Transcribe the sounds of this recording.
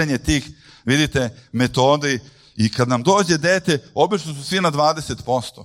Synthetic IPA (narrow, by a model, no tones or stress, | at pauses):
eɲet̪iːx | ʋid̪it̪emet̪o̞ːd̪i | ikad̪namd̪o̞ːd͡ʑe̞d̪eːt̪eo̞bit͡ʃnosusʋinad̪ʋaːd̪e̞se̞t̪po̞st̪o̰